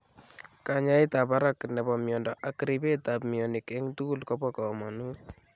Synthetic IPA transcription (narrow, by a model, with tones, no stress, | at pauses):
ka˨ɲa˦i˦ta˨pa˦ɾa˦kːnɛ˨pɔ˨mjɔ˨ndɔ˨ʔa˨ki˦ɾi˦pe˦ta˨pmi˨ɔ˨ni˨ke˦ŋtu˦ku˦˨lkɔ˦pɔ˦kɔ˨mɔ˨nu˦t̚